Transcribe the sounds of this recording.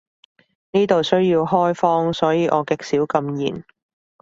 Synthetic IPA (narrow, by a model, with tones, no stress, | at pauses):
niː˥t̪o˨wsɵ˥ɥjiː˧wɦɔː˥jfɔː˥ŋsɔː˨˥jiː˨˧ʔɔː˨˧kɪ˨k̚siː˨˥wkɐ˧mjḭː˨˩n